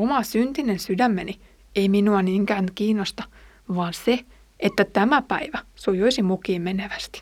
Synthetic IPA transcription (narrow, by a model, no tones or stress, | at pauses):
omɑsynt̪inensydæmːeni | eiminuɑniːŋkæːnkiːnːost̪ɑ | ʋɑːnse | ʔet̪ːæt̪æmæpæiʋæsojoisimukiːmmeneʋæst̪i̥